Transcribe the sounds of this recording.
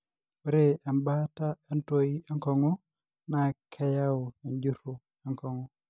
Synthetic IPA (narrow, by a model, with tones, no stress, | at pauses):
o˨˦ɾe˦a˨mba˦ta˦a˦nto˦i˦a˦ŋkɔ˨ŋɔ˦ | na˨kʰɛ˦ja˦o˨e˨ɲd͡ʒu˦ɾu˦ | a˨ŋkɔ˨ŋɔ˦